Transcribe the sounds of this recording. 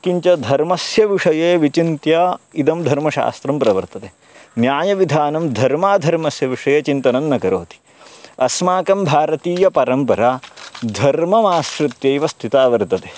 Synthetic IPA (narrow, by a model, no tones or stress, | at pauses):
kiɲt͡ʃɐd̪ʱɐɾmɐsjɐʋiʂɐjeːʋit͡ʃint̪jɐid̪ɐmd̪ʱɐɾmɐʃa̰ːst̪ɾɐmpɾɐʋɐɾt̪ɐt̪eː | njaːjɐʋid̪ʱaːnɐmd̪ʱɐɾmaːd̪ʱɐɾmɐsjɐʋiʂɐjeːt͡ʃint̪ɐnɐnːɐɡɐɾoːt̪i̥ | ɐsmaːkɐmbʱaːɾɐt̪iːjɐpɐɾɐmpɐɾaːd̪ʱɐɾmɐmaːsɾut̪jeiʋɐst̪ʰit̪aːʋɐɾt̪ɐt̪e̥